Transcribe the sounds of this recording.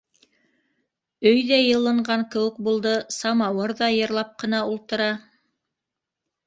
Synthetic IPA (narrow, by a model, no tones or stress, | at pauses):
ɵjðæjɤ̆lˠɤ̆ɴɢɑŋkɘ̆wɘ̆k̚bulˠd̪ɤsɑmɑwɤɾðɑjɤ̆ɾlˠɑp̚qɤ̆nɑulˠt̪ɤ̆ɾɑ